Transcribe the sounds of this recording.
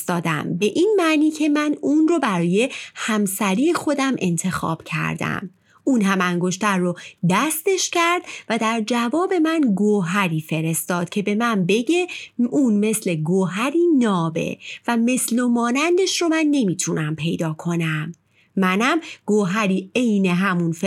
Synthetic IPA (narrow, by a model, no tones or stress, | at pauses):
st̪ɒːd̪æ̰mbe̞ʔiːnmæʔniːcʰe̞mænunrobæɾɒːje̞hæmsæɾiːexo̞d̪æmʔe̞̰nt̪ʰe̞xɒ̰ːb̥cʰæ̰ɾd̪æ̰m | uːnɦæmæŋɡoʃt̪ʰæɾːod̪æst̪e̞ʃcʰæɾd̪væd̪æɾd͡ʒævɒːbe̞mænɡoɦæɾiːfe̞ɾe̞st̪ɒːd̪̥̚cʰe̞be̞mænbe̞ɟe̞uːnme̞sle̞ɡoɦæɾiːnɒːbe̞̰væme̞slomɒːnænd̪eʃromænːe̞miːt̪ʰunæmpʰe̞jd̪ɒːkʰo̞næmː | ænæmɡ̥oɦæɾiːe̞jne̞ɦæmunfe